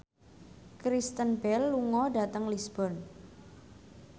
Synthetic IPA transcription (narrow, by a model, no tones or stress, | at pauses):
kɾist̪ənbɛlːuŋɔɖa̤t̪əŋlisb̥ɔ̤n